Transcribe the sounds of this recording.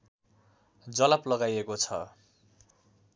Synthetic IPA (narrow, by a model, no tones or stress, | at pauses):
d͡zʌlaplʌɡajekot͡sʰʌ̰